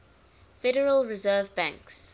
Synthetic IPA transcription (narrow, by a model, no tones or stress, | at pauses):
fɛɾəɹəlˠɹɪzɜːvbæ̃ŋks